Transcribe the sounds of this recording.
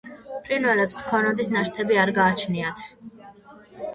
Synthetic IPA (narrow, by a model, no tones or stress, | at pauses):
pʼɾinvɛlɛpskʰɔnɔd̪isnaʃt̪ʰɛbiaɾɡaːt͡ʃʰniat̪ʰ